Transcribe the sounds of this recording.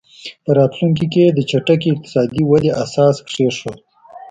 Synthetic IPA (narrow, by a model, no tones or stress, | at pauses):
pəɾɑt̪luŋk̬iked̪ət͡ʃaʈakiɪq̚t̪ɪ̥sɑd̪iwad̪eʔasɑskʂeʃwo